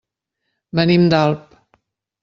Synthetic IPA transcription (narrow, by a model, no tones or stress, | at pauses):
mənimd̪alˠp